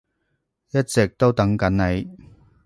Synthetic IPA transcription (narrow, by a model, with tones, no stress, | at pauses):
jɐ˥t̚t͡sɛ˨k̚t̪o˥wt̪ɐ˨˥ŋkɐ˨˥nne˨˥j